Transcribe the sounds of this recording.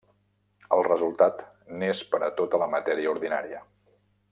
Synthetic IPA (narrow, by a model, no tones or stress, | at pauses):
əlˠrəzulˠt̪at̪ | nespəɾət̪ot̪ələmət̪ɛɾiəuɾðina̰ɾiə